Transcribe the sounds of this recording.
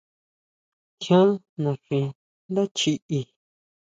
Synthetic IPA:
kʰjõ˦ | nũ˨ʂĩ˧ | nd̪a˦t͡ʃi˧ʔi˧

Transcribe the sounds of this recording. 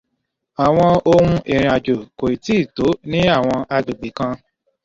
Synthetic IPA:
a˨w̃ɔ̃˧o˧ɾũ˧ʔi˨ɾ̃ĩ˧a˨d͡ʒo˨ko˨i˨ti˨˦i˦˨to˨˦nĩ˦a˦˨w̃ɔ̃˧a˧d͡ʒo˨ɡ͡bi˨˦kã˧

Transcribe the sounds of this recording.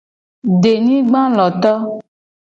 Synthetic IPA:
ɖe˨nĩ˦ɡ͡bã˦lɔ˨t̪ɔ˦

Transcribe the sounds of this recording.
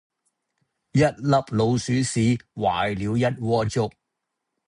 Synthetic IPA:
jɐ˥t̚lɐ˨˧p̚lo˨˧wsyː˨˥siː˨˥waː˨jliː˨˧wjɐ˥t̚wɔː˥t͡sʊ˥k̚

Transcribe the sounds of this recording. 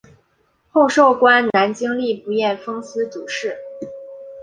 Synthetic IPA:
xo˥˧ʊʂo˥˩ʊkwa˥nna˧˥nt͡ɕi˥ŋli˥˩pu˧˥jɛ˥˩nfɤ˥ŋsɹ̩˥t͡su˨˩ʂɻ̩˥˩

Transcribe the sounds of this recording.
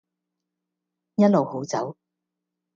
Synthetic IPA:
jɐ˥t̚lo˨who˨˥wt͡sɐ˨˥w

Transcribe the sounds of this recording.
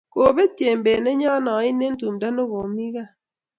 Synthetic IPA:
ko˨be˦te˨m˨beː˨ne˦ɲɔ˦nɔ˨˦i˦ne˦n̩˦tu˨mda˦no˦ɣo˨mi˦ɣa˦˨

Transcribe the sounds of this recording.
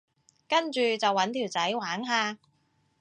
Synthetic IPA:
kɐ˥nt͡ʃyː˨t͡sɐ˨wːɐ˨˥nt̪ʰiː˨˩wt͡sɐ˨˥jwaː˨˥ŋɦaː˧

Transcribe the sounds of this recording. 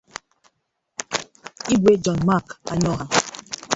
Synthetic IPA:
i˦ɡʷe˦d͡ʒɔ˨nma˦˨ka˨ɲɔ˦ɦa˨

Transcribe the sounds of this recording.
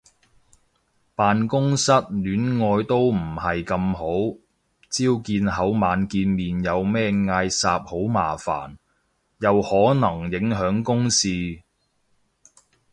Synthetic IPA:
paː˨nkʊ˥ŋsɐ˥t̚lyː˨˥nŋɔː˧jt̪o˥wm̩˨˩hɐ˨jkɐ˧mɦo˨˥w | t͡siː˥wkiː˧nɦɐ˨˥wmaː˨˧nkiː˧nmiː˨njɐ˨˧wmɛː˥ŋaː˧jsaː˧p̚ho˨˥wma̰ː˨˩fa̰ː˨˩n | jɐ˨˧whɔː˨˥nɐ˨˩ŋjɪ˨˥ŋɦœː˨˥ŋkʊ˥ŋsiː˧

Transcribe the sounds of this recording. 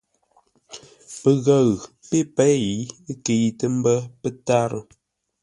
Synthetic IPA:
pə˨ɣə˦˨ɣpe˦pɛ˦i˨˦ke˨jtə˦m̩˦bə˦pə˦ta˦ɾə̰˦

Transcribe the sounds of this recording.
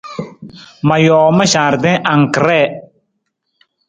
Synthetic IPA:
ma˨jɔː˨ma˦ʃaː˨ɾdɛ̃˦ʔa˨ŋ˨kɾɛ˦˨

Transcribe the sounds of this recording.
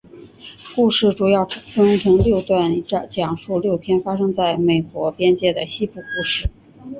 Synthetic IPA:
ku˥˧ʂɻ̩˥˩ʈ͡ʂu˨˩jɑ˥˩ʊʈ͡ʂʰʈ͡ʂə˥ʈ͡ʂʰɤ˧˥ŋljo˥˧ʊt̪wa˥˩n˥˧t͡ɕjɑ˨˩ŋʂu˥˧ljo˥˩ʊpʰjɛ˥nfa˥ʂɤ˥ŋt͡sa˥˩ɪme˨˩ɪkwɔ˧˥pjɛ˥nt͡ɕjɛ˥˩d̪ə˩ɕi˥pu˥˩ku˥˧ʂɻ̩˥˩

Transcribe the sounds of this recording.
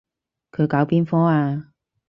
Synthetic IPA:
kʰɵ˨˧jkaː˨˧˥wpiː˥nfɔː˥aː˧

